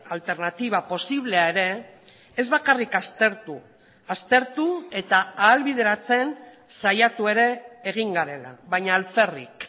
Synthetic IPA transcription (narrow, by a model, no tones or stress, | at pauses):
alt̪e̞ɾnat̪iβ̞apo̞siβ̞le̞aeɾe̞ː | zβakarikast̪eɾt̪u | ast̪e̞ɾt̪ue̞t̪aaːlβið̞e̞ɾat͡se̞n | sajat̪ue̞ɾe̞ːɣ̞iŋɡaɾe̞la̰βaɲaːlfe̞rḭk